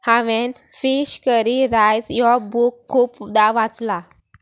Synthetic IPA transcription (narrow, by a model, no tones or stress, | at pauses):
haʋen | fiɕkəɾiɾajsjɔbukʰːuːpd̪aʋat͡sla